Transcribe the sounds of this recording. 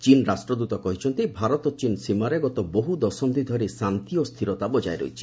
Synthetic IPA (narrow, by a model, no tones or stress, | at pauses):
t͡ʃinɾasʈɾɔd̪ut̪ɔkɔɦit͡ʃʰɔnt̪ibʱaɾɔt̪ɔt͡ʃinsimaɾeɡɔt̪ɔboɦud̪ɔsɔmd̪id̪ʱɔɾisant̪ijɔst̪ʰiɾɔt̪abɔd͡ʒaeɾo̰jt͡ʃʰi̥